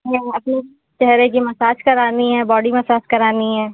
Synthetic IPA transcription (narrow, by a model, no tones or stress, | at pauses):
ɛ̃ɐpne | t͡ʃɛɦɾekimɐsaːt͡ʃkɐɾaːniɦɛ̃ːbɔːɖimɐsaːt͡ʃkɐɾaːniɦɛ̃ː